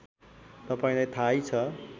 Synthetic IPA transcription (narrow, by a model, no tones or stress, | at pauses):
t̪ʌpaĩlajt̪ʰajt͡sʰʌ